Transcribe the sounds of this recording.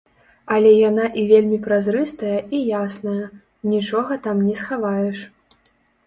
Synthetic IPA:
ɐlʲɛjanaʔivʲelʲmʲipɾazɾɨst̪ɐjɐʔijasnɐjɐ | nʲit͡ʂɔɣɐt̪amnʲɛsxavajɛʂ

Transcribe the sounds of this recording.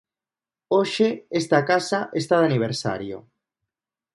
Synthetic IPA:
oʃeest̪akasaʔest̪aðaniβ̞eɾsa̰ɾjo̰

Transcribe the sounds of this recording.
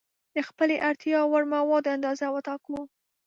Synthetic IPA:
d̪̥əxpəleʔaɾt̪jɑwaɽmawɑd̪oand̪ɑzawət̪ɑklo

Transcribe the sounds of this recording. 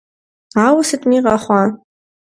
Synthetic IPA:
awʊsɨtʼmiqʼaχʷɑ

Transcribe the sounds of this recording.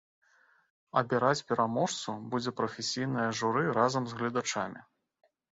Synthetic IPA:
ɐbʲɛɾat͡sʲpʲɛɾʔamɔʂt̪subud͡zʲɛpɾɐfʲesʲijnɨjɐʐuɾɨɾazɐmzɣlʲid̪at͡ʂamʲi

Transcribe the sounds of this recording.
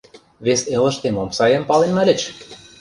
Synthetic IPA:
βeselˠə̆ʃt̪emomsɑjɤ̆mpɑlenmæ̆lʲɘ̆t͡ɕ

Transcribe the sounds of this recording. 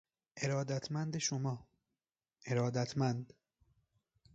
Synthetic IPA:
ʔe̞ɾɒːd̪æt̪ʰmænd̪eʃomɒː | ʔe̞ɾɒːd̪æt̪ʰmænd̪

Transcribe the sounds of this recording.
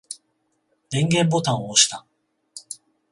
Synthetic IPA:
ɾẽ̞ŋɡẽ̞mbo̞t̪ãɰ̃oːɕi̥t̪a

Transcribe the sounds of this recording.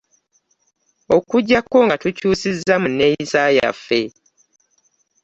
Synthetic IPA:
o̞kuɟːakːo̞ŋɡatucuːsizːamunːejisaja̰fːe̞

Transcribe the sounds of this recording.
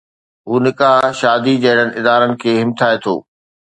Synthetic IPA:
ɦuːnɪkaʃaːd̪id͡ʑɐɦɪɽənɪ̆ʔɪd̪aːɾənɪ̆kʰeːɦɪmt̪ʰaːet̪ʰo̰ː

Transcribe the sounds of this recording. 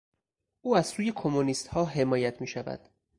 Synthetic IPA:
ʔuːæz̥suːje̞kʰomːoniːst̪hɒːɦe̞mɒːjæt̪ʰmiːʃævæ̰d̪̥

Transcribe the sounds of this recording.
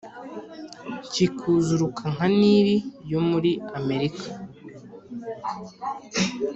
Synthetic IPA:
cikʰuzuɾukʰaŋ̥aniːβijo̞muɾiame̞ɾikʰḁ

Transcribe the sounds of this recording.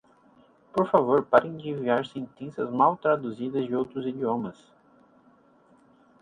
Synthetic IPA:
poɾfavoɾpaɾẽj̃d͡ʒiviaɾsẽnt̪ẽsɐzmawt̪ɾad̪uzid̪ɐzd͡ʒɪowt̪ɾʊzid͡ʒiõmɐs

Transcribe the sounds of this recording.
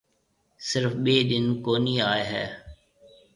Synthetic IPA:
sɪɾfɓeːɗ̪ɪnkoːniːaːeɦɛ̰ː

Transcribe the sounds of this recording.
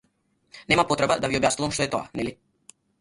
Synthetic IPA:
nɛmapɔt̪ɾɛbad̪aviɔbjasnuvamʃt̪ɔɛt̪oa̰nɛli

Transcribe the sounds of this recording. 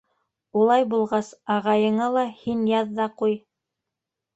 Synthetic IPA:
ulˠɑjbulˠʁɑsɑʁɑjɤ̆ɴɑlˠɑhinjɑðːɑquj

